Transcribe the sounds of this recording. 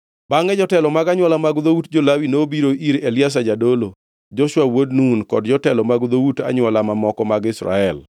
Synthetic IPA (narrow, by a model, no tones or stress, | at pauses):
baŋɛd͡ʒɔtɛlɔmaɡaɲwalamaɡd̪outd͡ʒolawinobiɾoʔiɾeljas̬ad͡ʒadolo | d͡ʒɔʃwawodnunkɔdd͡ʒɔtɛlɔmaɡd̪outa̰ɲwalamamɔkɔmaɡɪsɾa̰ɛl